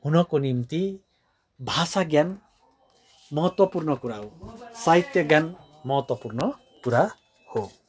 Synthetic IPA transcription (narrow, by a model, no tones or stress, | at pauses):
hunʌkonimt̪i | bʱasaɡjan | mʌɦʌt̪wʌpurnʌkuɾaɦosaɦit̪jʌɡjan | mʌɦʌt̪wʌpurnʌ | kuɾa | ho